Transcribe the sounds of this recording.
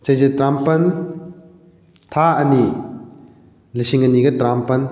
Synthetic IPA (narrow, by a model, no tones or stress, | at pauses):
t͡ʃɐjzetɾampɐn | t̪ʰaɐni | lisiŋɐniɡɐtɾampɐn